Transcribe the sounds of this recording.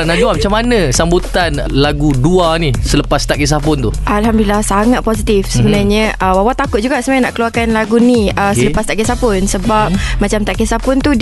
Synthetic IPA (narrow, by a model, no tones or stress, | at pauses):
naʔd͡ʒuamat͡ʃamːanə̃sambut̪an | laɡuduanisələpast̪aʔkis̬apʊnt̪uʔalɦamd̪ulilahsaŋat̪̚pɔs̬it̪ifsəbənarɲãəwawat̪akʊt̪̚d͡ʒuɡaʔsəmaanaʔkəluarkanlaɡuniəsələpast̪aʔkisapʊnsəbap̚mat͡ʃamt̪aʔkisapʊnt̪u